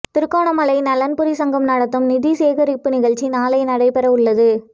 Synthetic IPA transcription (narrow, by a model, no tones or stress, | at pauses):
t̪ɪɾɯkːoːɳɐmɐlɐɪnɐlɐnpʊɾisɐŋɡɐmnɐɽɐt̪ːɯmnɪðiseːɣɐɾɪpːɯnɪɣɐɭt͡ʃːinaːlɐɪnɐɽɐɪpɛɾɐʊɭːɐðɯ